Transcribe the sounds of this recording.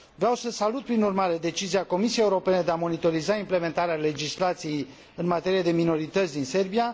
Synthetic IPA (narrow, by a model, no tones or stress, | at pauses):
vɾawsəsalut̪̚pɾinurmaɾe̞d̪e̞t͡ʃiziako̞misijejeuɾo̞pe̞ne̞d̪e̞amo̞nit̪o̞ɾizaimple̞me̞nt̪aɾeale̞d͡ʒislat̪sije̞j | ɨnmat̪e̞ɾijed̪e̞mino̞ɾit̪ət̪sʲd̪inse̞rbija